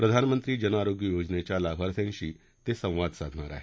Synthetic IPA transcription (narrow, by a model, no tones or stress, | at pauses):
pɾəd̪ʱanmənt̪ɾiːd͡ʑənaɾoɡjəjod͡ʒnet͡ɕjalabʱaɾsẽnɕiː | t̪esə̃w̃ʋad̪sad̪ʱnaɾa̰ɦe